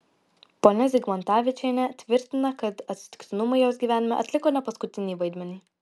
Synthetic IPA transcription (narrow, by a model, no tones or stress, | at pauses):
poːnʲɛzʲɪɡmɐnt̪ɑːʋʲɪt͡ʃʲɛnʲɛt̪ʲʋʲɪɾʲt̪ʲɪnɐkɐt̪ɐt̪ʲsʲɪt̪ʲɪ̥ksʲɪnʊmɐɪjoːsɡʲiːʋʲæːnʲɪmʲɛʔɐt̪ʲlʲɪkoːnʲɛpɐskʊt̪ʲɪnʲiːʋɐɪd̪ʲmʲɛnʲiː